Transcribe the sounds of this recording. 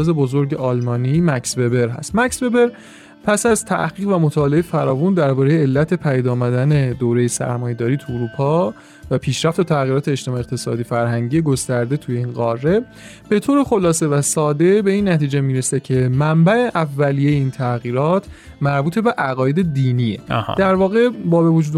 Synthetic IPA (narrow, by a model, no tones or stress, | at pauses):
ze̞bo̞zo̞ɾɟe̞ʔɒlmɒːnimæksbe̞be̞ɾɦæ̰st̪mæksbe̞be̞ɾ | pʰæsæzt̪ʰæ̰ɡiːɣvæmot̪ʰɒːlejefæɾɒːvund̪æɾbɒːɾejeːlːæt̪ʰe̞pʰæjid̪ɒːmæd̪æne̞d̪oːɾe̞jesæ̰ɾmɒːje̞d̪ɒːɾiːt̪ʰuuɾuːpʰɒ | væpʰiːʃɾæft̪et̪ʰæɣiɾɒːt̪ʰe̞ːʃt̪emɒːjeqt̪e̞sɒ̰ːd̪ifæɾɦæŋɟijeɡost̪æɾd̪e̞t̪ʰuje̞inɢɒrːe̞ | b̥e̞t̪ʰoːɾe̞xo̞lɒːse̞væsɒːd̪e̞be̞iːnːæt̪iːd͡ʒemiːɾesecʰe̞mæmbæe̞ʔævːælijejeiːnt̪ʰæɣiːɾɒːt̪ʰ | mæɾbuːt̪ʰe̞be̞ʔæɣɒːje̞d̪e̞d̪iːniḛhd̪æɾvɒːɣe̞bɒːbe̞vod͡ʒuːd̪